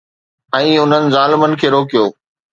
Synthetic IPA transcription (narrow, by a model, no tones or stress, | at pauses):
ɛ̃ːʊn̤ənɪ̆zaːlɪmənɪ̆kʰeːɾoːkijoː